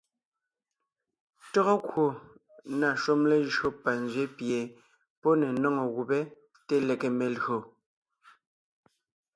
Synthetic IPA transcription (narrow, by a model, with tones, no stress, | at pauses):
tɔ˦ɣɔ˦kwo˨ | na˨ʃu˦mle˦ʒo˦pa˨n˨zɥe˦pje˨ | pɔ˦ne˨nɔ˦˨ŋɔ˨ɣu˨be˦ | te˦le˨ke˨me˨lɰo˨